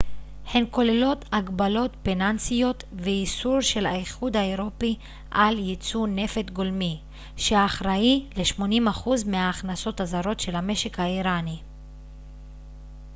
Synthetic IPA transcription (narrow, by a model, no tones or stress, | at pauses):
henko̞lelo̞t̪aɡbalo̞tpenansijo̞t̪veisuʁʃe̞lha̰iχud̪haeʁo̞pi | ʔaljit͡sune̞fe̞t̪ɡo̞lmi | ʃeaaχʁaileʃmo̞nimaχuzmeaːχnaso̞t̪hazaʁo̞tʃe̞lhame̞ʃe̞khaiʁani